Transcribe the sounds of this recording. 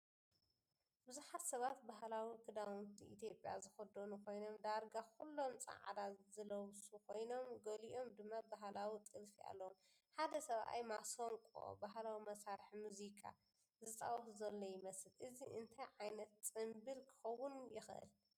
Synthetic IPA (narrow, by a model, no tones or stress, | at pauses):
bɨzuħat̪sɐβat̪̚baɦlawikʰɨd̪awnt̪ʰiḭt̪ʰjo̞pʼja̰zɨxɐd̪onukʰo̞jno̞md̪aɾɡakʰulːo̞mt͡sʼɐ̰ʕa̰d̪azɨlɐwsukʰo̞jno̞mɡɐliʔo̞md̪ɨmːabaɦlawit̪ʼɨlfiʔa̰lːɐwom | ħad̪ɐsɐβʔa̰jmasoŋkʼo̰baɦlawimɐsaɾħmuzikʰa̰ | zɨt̪ʼa̰wxzɐlːojɪmɐsɨlʔɨziʔɨnt̪ʰɐjʕajnɐt̪t͡sʼɨmbɨlkʰɨ̥xɐwːʊnjɪxʔɨ̰l